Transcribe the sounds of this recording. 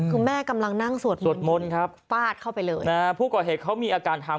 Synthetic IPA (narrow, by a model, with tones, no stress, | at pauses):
kʰuː˧mɛː˥˩ka˧mla˧ŋna˥˩ŋsu˨˩ət̪̚su˨˩ət̪̚mo˧nkʰɾa˦˥p̚faː˥˩t̪̚kʰa˥˩wpa˧jlɤː˧jʔaː˧˩pʰuː˥˩kɔː˨˩ɦeː˨˩t̪̚kʰa˦˥wmiː˧ʔaː˧kaː˧nt̪ʰaː˧